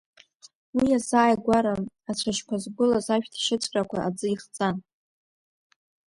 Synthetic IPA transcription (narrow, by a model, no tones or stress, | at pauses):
wiazaːjɡʷaɾaː | t͡ɕʷʰaʃkʷʰazɡʷʊlazaʃᶣtʰʃɪt͡sʷʰʼrʼakʷaʔad͡zɨiχt͡sʼan